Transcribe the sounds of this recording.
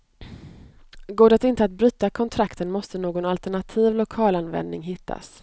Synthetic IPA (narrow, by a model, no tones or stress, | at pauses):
ɡoːd̪ət̪ɪnt̪əat̪̚bɾyːt̪akʰɔnt̪ʰɾakt̪ənmɔst̪ənoːɡɔnalt̪ɛɳat̪ʰiːvlʊkʰɑːlanvɛ̰nd̪nɪŋɦɪt̪ʰːa̰s